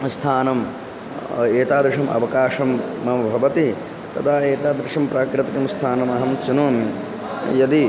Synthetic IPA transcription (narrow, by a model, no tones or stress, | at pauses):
st̪ʰaːnɐm | eːt̪aːd̪ɾɪʂɐmʔɐ̰ʋɐkaːʂɐmːɐmɐbʱɐʋɐt̪i | t̪ɐd̪aːeːt̪aːd̪ɾɪʂɐmpɾaːkɾɪt̪ikɐmst̪ʰaːnɐmɐɦɐmt͡ʃunoːmi | jɐd̪i